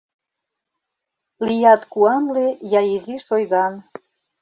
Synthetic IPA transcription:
lijɑt̪kuɑnlejɑjeziʃojɣɑn

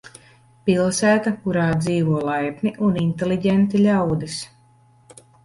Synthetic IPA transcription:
pilˠsæːt̪akuɾaːd̪ziːvuɔlˠajpniʔunint̪eliɟent̪ilʲawd̪is

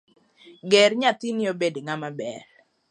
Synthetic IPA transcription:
ɡeɾɲat̪inɪobedeŋamabɛ̰l

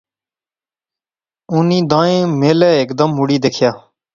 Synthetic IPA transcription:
ʊnĩːd̪ãːẽːmeːlɛːeːkd̪əmɦʊɽiːd̪eːkʰjaː

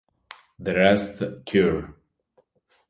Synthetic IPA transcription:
ðəɹɛstkʰjuɹ

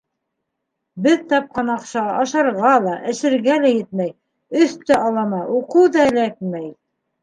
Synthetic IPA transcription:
bɘðt̪ɑp̚qɑnɑqʃɑɑʃɑɾʁɑlˠɑʔɘ̆ʃɘ̆ɾɡælæjɘt̪̚mæj | ɵθt̪æʔɑlˠɑmɑuqɤwðɑɘ̆lækmæj

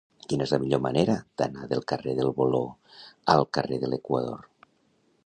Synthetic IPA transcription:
kinəɛzləmiʎomaneɾad̪̥anaðəlˠkəreðəlˠβoloəlˠkəreðəlekwa̰ðo̰r

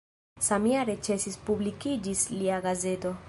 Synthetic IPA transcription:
samiaɾet͡ʃe̞sispublikid͡ʒisliaɡaze̞to̞

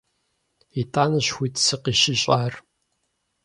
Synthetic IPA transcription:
itʼaːnɐɕxʷiːtʰsɨqiːʃɪɕʼaːr

